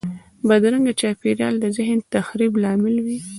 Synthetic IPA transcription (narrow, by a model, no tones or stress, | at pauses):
bad̪ɾəŋɡat͡ʃɑpeɾjɑld̪əzɪɦnt̪axɾiblɑmɪlwi